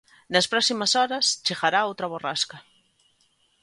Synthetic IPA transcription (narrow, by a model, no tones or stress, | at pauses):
nɐspɾɔsimɐsɔɾɐst͡ʃeɣaɾaowt̪ɾɐβoraskɐ